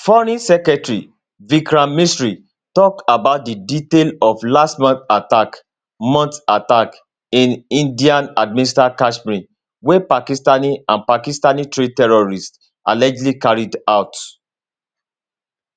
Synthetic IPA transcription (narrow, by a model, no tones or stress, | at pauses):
fɔɹĩsɛkɛtɹi | vikɹãmmistɹi | tɔk̚tabaʊt̚diditelɔflastmɔ̃nθatak | mɔ̃ntatak | ĩnĩndiãnad̚mĩnistakaʃbɹĩn | wepakistaniãnpakistanitɹetɛɹɔɹist | ʔa̰lɛd͡ʒlikaɹidaʊt